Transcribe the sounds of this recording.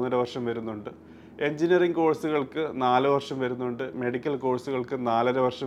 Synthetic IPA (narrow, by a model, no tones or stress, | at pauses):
nːɐɾɐʋɐrʂɐmʋɐɾunːuɳɖɨ | e̞ɲd͡ʑinijɐriŋko̞ːɻsuɣɐɭkɨnaːlɨʋɐrʂɐmʋɐɾunːuɳɖɨme̞ɽikʲːɐlko̞ːɭsuɣɐɭkɨnaːlɐɾɐʋɐrʂɐ